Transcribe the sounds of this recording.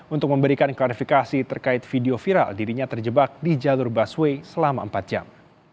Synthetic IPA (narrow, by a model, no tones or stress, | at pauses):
unt̪ʊk̚məmbəɾikanklaɾifikasit̪ərkaɪt̪̚fideofiɾa̰ldiɾiɲat̪ərd͡ʒəbak̚did͡ʒalʊrbaswesəlama̰əmpat̪̚d͡ʒa̰m